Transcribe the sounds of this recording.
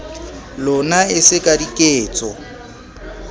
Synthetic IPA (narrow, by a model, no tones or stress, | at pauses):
lʊnaɪsɪkʼadikʼeːt͡sʼɔ